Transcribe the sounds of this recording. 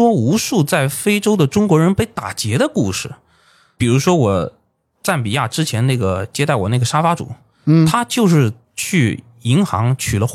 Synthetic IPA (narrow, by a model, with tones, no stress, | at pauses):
wɔ˥u˧˥ʂu˥˧t͡sa˥˩ɪfe˥ɪʈ͡ʂo˥ʊd̪ə˨ʈ͡ʂʊ˥ŋkwɔ˧˥ɻə˧˥npe˥ɪt̪a˨˩t͡ɕjɛ˧˥ɾə˧ku˥˧ʂɻ̩˥˩ | pi˨˩ɻu˧˥ʂwɔ˥wɔ˨˩ | ʈ͡ʂa˥˩npi˨˩ja˥˩ʈ͡ʂɻ̩˥t͡ɕʰjɛ˧˥nna˥˩ɡə˩t͡ɕjɛ˥t̪a˥˩ɪwɔ̰˨˩na˥˩ɡə˩ʂa˥fa˥ʈ͡ʂṵ˨˩˦ | t̪ʰa˥t͡ɕjo˥˧ʊʂɻ̩˥˧ | t͡ɕʰy˥˩ | i˧˥ŋxɑ̰˧˥ŋt͡ɕʰy˨˩lə˦